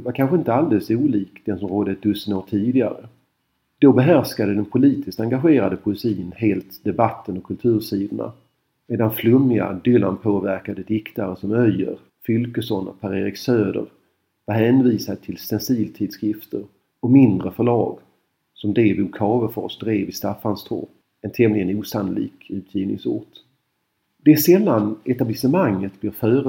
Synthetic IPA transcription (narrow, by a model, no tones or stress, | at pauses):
vaɾkʰanɧəɪnt̪əald̪ɛːlsuːliːkd̪̥ɛnsɔmɾoːd̪əd̪ɵsənoːʈʰiːd̪ɪɡa̰ɾə | d̪̥ɔbɛɦæɾʂkad̪əd̪ɛnpʰʊliːt̪ɪst̪aŋɡaɧeːɾad̪əpʰʊɪsiːnheːlt̪d̪ɛbat̪ʰːənɔkʰɵlt̪ʰʉ̟ːɾʂiːd̪əɳa̰ | meːd̪anflɵmɪa̰d̪ʏla̰npʰoːvæɾkad̪əd̪ɪkt̪aɾəsɔmœjːə̰ɾ | fʏlkəsɔnɔ̰pʰæɾeːɾɪksøːd̪ə̰ɾ | vaɦɛnviːsad̪ət̪ʰɪlsɛnsiːlt̪ʰiːd̪skɾɪft̪əɾ | ɔmɪnd̪ɾəfœɭɑːɡ | sɔmd̪eːbʊkʰɑːvəɾfɑ̰ʂd̪ɾeːvɪst̪afːanst̪ʰo̰ː | ɛnt̪ʰɛmnlɪɡənuːsanʊlḭːkʉ̟ːt̪ʰjiːvnɪ̰ŋsʊ̰ːʈ | d̪ɛsɛlːanɛt̪ablɪsəmaŋːət̪̚blɪɾfœːɾə